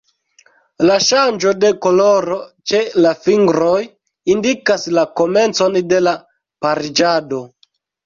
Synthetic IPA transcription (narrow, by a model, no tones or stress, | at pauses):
laʃand͡ʒo̞de̞ko̞loɾot͡ʃe̞lafiŋɡɾo̞j | indikaslako̞me̞nt͡so̞nde̞la | paɾid͡ʒado̞